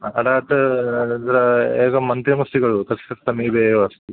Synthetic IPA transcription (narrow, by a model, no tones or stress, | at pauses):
ɐ̰ɖaːʈ̪ɐd̪ɐɾɐeːkɐmɐnt̪ɾɐmɐst̪iɡɐɭut̪ɐsɐtsɐmiːbeɐst̪i